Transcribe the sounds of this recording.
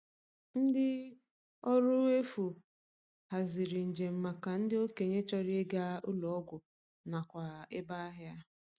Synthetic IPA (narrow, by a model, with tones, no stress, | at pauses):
n̩˦dɪ˦ | ɔ˦ɾʊ˦e˦fu˨ | ha˨zɪ˨ɾɪ˨n̩˨d͡ʒe˨m̩˨ma˨ka˨n̩˦dɪ˦o˦ke˨ɲe˦t͡ʃɔ˦ɾɪ˦e˦ɡa˦ʊ˦lɔ˨ɔ˦ɡʷʊ˨ | na˨kʷa˨ɪ˦ba˦ɦja˦